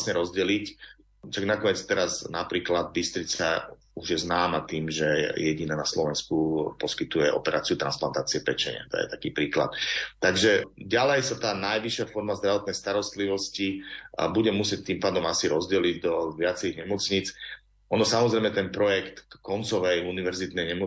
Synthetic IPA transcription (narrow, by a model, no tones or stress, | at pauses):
sɲɛɾɔzɟɛlic | taɡnakɔɲɛt͡st̪ɛɾaznapɾiːklad̪̚bist̪ɾit͡sa | uʒjɛznaːmat̪iːmʒɛjɛɟinanaslɔʋɛnskupɔskit̪ujɛʔɔ̰pɛɾaːt͡siut̪ɾa̰nspla̰nt̪aːt͡siɛpɛt͡ʃɛ̰ɲ̰a̰t̪ɔ̰jɛ̰t̪akiːpɾiːkla̰t̪ːaɡʒɛɟalɛjsat̪aːnajʋiʃːɪafɔɾmazd̪ɾaʋɔt̪̚nɛjst̪aɾɔst̪liʋɔscibuɟɛmusɪɛc̚t̪iːmpaːd̪ɔmasiɾɔzɟɛliɟd̪ɔʋɪat͡sɛɾiɣɲɛmɔt͡sɲit͡s | ʔɔnɔsamɔzɾɛjmɛt̪ɛnpɾɔjɛkt̪kɔnt͡sɔʋɛjuniʋɛɾzit̪nɛjɲɛmɔ